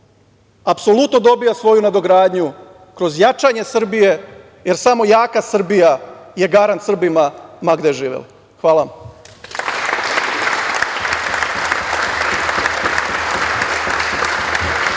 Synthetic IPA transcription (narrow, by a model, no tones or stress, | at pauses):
apso̞lut̪nod̪o̞bijasʋo̞junad̪oɡɾaːd̪ɲu | kɾo̞zjat͡ʃaɲe̞sr̩bije̞ | je̞ɾsamo̞jaːkasr̩bijaje̞ɡaɾant̪sr̩bimamaɡd̪eʒiːʋḛl | xʋaːlam